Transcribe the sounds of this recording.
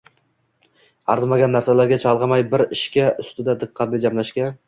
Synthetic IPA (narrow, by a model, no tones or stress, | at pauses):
ɑɾzmaɡʲanːæɾsalaɾɡʲat͡ʃʰɑlˠʁɑmɑjbɪɾɪʃkʲaʔʊst̪ɪd̪ad̪ɨqʰːɑnnɪd͡ʒamlaʃkʲan